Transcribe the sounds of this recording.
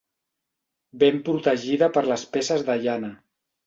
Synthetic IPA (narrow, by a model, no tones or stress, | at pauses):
bempɾut̪əʒiðəpəɾləspesəzðəʒanə